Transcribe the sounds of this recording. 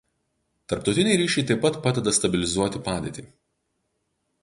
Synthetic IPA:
t̪ɐɾp̚t̪ɔʊt̪ʲɪnʲɛɪɾʲiːʃʲɛɪt̪ɐɪpːɐt̪pɑːd̪ʲɛd̪ɐst̪ɐbʲɪlʲɪzuɔt̪ʲɪpɑːd̪ʲɛ̰ːt̪ʲiː

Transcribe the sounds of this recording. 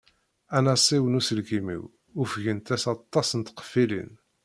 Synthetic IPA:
ænæsˤiwənusəlɡimḭw | ʊfʝənt̪æsɑt̪ˤːɑsənt̪qə̥filḭn

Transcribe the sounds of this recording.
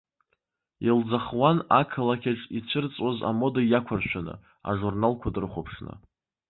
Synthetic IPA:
ild͡zaχwanakʰalakʲʰaʈ͡ʂʼit͡ɕʷʰɨrt͡sʼaza̰mo̞dajakʷʰarʃʷᶣanɨ̰ | a̰ʐurnalkʷʰadɨrχʷopʰʂnɨ̰

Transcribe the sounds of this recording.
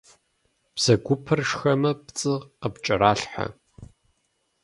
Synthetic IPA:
b̥sɐɡʷʊpʰɨrʂxɐmɐpt͡sʼɨʁqəpt͡ʃʼɐɾaːɬħa̰

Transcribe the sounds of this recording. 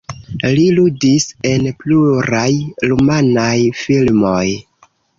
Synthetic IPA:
liludise̞npluɾajɾumanajfilmo̞j

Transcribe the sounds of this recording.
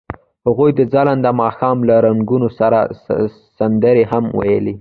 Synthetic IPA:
haɣujd̪əd͡zaland̪amɑxɑmlaɾaŋɡunosaɾa̰ | sand̪əɾeɦamwa̰jə̰li

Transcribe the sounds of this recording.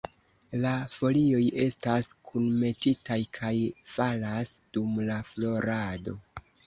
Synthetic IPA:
lafo̞lio̞je̞staskʰunme̞titajkʰajfalasd̥umlaflo̞ɾado̞

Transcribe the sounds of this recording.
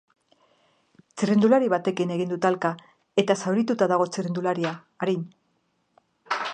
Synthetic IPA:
t͡sirend̪ulaɾiβat̪e̞kine̞ɣ̞ind̪ut̪alka | e̞t̪asawɾit̪ut̪aðaɣ̞o̞t͡sirend̪ulaɾiaː | ɾin

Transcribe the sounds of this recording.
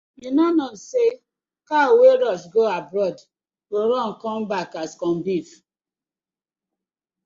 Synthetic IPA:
minɔnɔse | kaweɾɔʃɡoabɾɔd | ɡoɾɔ̃n̩kɔ̃m̩bakaskɔ̃m̩bif

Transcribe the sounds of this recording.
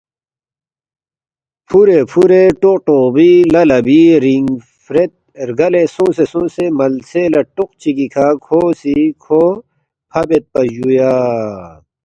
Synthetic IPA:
pʰuɾepʰuɾeʈoqʈoːbilɐlɐbiɾiŋ | fɾet̪̚ | ɾɡɐlesõːsesõːsemɐlselɐʈuq̚t͡ɕikikʰaːkʰoːsikʰoː | pʰɐbet̪̚pɐd͡ʑujaː

